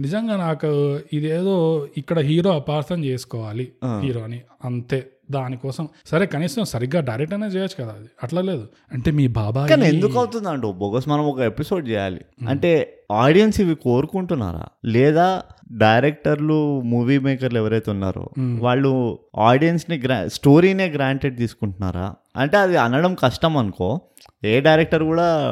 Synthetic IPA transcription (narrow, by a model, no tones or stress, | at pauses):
nid͡ʒɐŋɡaːnaːkuid̪eːd̪o̞ːikːɐɽɐɦiːɾo̞ːɐpaːɾt̪ɐmt͡ʃeːsu̥kɔːʋaːlihiːɾo̞ːɐni | ɐnt̪e̞ː | d̪aːnikɔːsɐmsɐɾe̞ːkɐniːsɐmsɐɾiɡːaːɖɐjɾek̚ʈɐneːt͡ʃɛːjɐt͡ʃːu̥kɐd̪aːɐʈlɐle̞ːd̪u | ɐɳʈe̞ːmiːbʱaːbaːkaːniend̪ukɐwt̪und̪ɐɳʈoːboɡɐsmɐnɐmɔkɐepiso̞ːɖt͡ʃɛːja̰ːlḭɐ̰ɳʈe̞ːaːɾɖijɐnsiʋiko̞ːɾukuɳʈunːa̰ːɾa̰ːlɛːd̪aːɖɐjɾek̚ʈɐɾlumuːʋiːmeːkɐɾluɛʋɐɾɐjt̪eunːa̰ːɾo̰ːʋaːɭːuaːɖijɐnsniɡɾa̰sʈo̞ːɾiːneːɡɾaːɳʈeɖ̚t̪iːsu̥kuɳʈunːa̰ːɾa̰ː | ɐ̰ɳʈe̞ːɐd̪iɐnːɐɽɐmkɐʂʈɐmɐnuko̞ː | eːɖɐjɾek̚ʈɐɾkuːɽaː